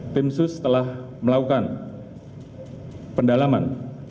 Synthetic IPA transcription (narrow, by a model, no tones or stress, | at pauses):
t̪ɪmsʊst̪əlah | məlakukan | pəndalaman